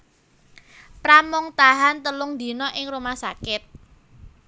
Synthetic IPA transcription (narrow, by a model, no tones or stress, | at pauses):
pɾamʊŋt̪aɦant̪əlʊŋd̪i̤nɔʔɪŋrumahsakɪt̪̚